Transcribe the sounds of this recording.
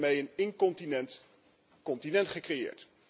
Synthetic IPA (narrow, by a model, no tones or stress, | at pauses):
mejənɪŋkɔt | kɔntinɛntχəkrejɪ̰ːɹt